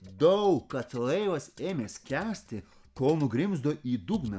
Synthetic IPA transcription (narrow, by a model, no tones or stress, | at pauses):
d̪ɐʊkːɐt̪lˠɛɪʋɐseːmʲeːskʲæːsʲt̪ʲɪ | koːlˠnʊɡɾʲɪmzd̪oːʔiːd̪uɡnɐ